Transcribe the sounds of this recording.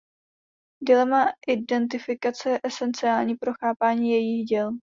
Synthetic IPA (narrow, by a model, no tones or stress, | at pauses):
dɪlɛmaʔɪdɛnt̪̬ɪfɪkat͡sɛʔɛsɛnt͡sɪaːlɲiːpɾo̞xaːpaːɲiːjɛjixɟɛl